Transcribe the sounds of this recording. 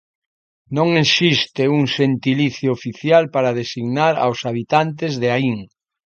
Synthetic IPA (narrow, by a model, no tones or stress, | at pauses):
nõŋesist̪euŋʃent̪iliθjoːfiθjalpaɾað̞esiɣnaɾa̰wsaβ̞it̪ant̪ezðeaiŋ